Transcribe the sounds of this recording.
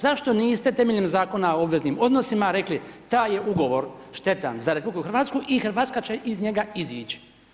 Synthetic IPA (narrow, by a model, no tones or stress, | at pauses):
zaʃt̪o̞niːst̪et̪e̞meʎemzaːko̞naoobʋe̞znimo̞d̪nosimaɾe̞klit̪aːje̞ʔuɡo̞ʋo̞ɾʃt̪e̞t̪a̰nzaɾepublikuxɾʋaːt̪skuʔixɾ̩ʋaːt̪kat͡ɕe̞ʔizɲe̞ɡaiziːt͡ʃi̥